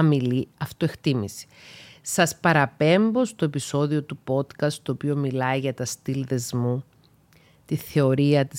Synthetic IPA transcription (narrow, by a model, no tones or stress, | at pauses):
ɐmiliɐft̪oext̪imisi̥sɐspɐɾɐpe̞mbo̞st̪oe̞piso̞ðio̞t̪upo̞t̪kɐstt̪o̞ːpio̞milɐiɣɐt̪ɐst̪ilðe̞zmu | t̪iθe̞o̞ɾiɐt̪i